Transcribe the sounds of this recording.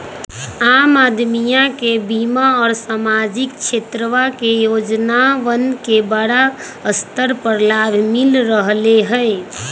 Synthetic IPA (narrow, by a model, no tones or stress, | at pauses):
aːmaːd̪mijãkebimaɔːɾsamad͡ʒɪk̚t͡ʃʰet̪ɾəʋakejoːd͡ʒnaʋənkebəɽa | əst̪əɾpəɾlabʱmɪlɾəɦleɦəe